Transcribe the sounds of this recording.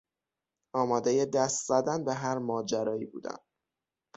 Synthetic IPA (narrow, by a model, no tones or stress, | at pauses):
ɒːmɒːd̪e̞je̞d̪æst̪zæd̪ænbe̞ɦæɾmɒːd͡ʒæɾɒːjibṵːd̪æ̰n